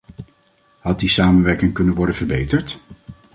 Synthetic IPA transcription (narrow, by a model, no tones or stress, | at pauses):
hɦɑt̚disaːmənʋɛɹkɪŋkɵnənʋɔɹdənvəɹbejtəɹt